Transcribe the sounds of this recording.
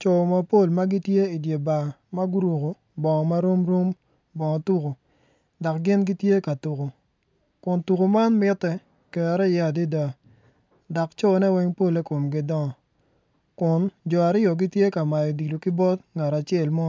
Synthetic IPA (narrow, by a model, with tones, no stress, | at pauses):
t͡ʃo˨ma˨po˦˨lma˦ɡi˦tje˦i˨dje˨ba˨ma˦ɡu˦ɾu˨ko˨ | bɔ˨ŋɔ˨ma˦ɾo˦mɾo˦m | bɔ˨ŋɔ˨tu˦ko˨ | dɔ˨k̚ɡɪ˦nɡi˦tje˦ka˨tu˨ko˨ | kʊ˨ntu˨ko˨ma˦nmɪ˦tɛ˨ | kɛ˨ɾɛ˦˨ja˦˨di˦da˦ | dɔ˨kt͡ʃo˦˨˦nɛ˦wɛ˦ŋpo˦le˦ko˨mɡɪ˦dɔ˦ŋɔ˨ | kʊ˨nd͡ʒɔ˨a˨ɾɪ˦ɔ˨ɡɪ˦tje˦ka˨ma˨jɔ˨di˨lo˨kɪ˦bɔ˦tŋa˨ɾa˨t͡ʃɛ˨lmɔ˦